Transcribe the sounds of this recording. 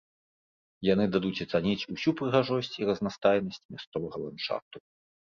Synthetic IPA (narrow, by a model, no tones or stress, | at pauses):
janɨd̪ad̪ut͡sʲɐt̪sanʲit͡sʲusʲupɾɨɣaʐɔsʲt͡sʲiɾɐznast̪ajnɐsʲt͡sʲmʲast̪sɔvɐɣɐlˠant͡ʂa̰t̪u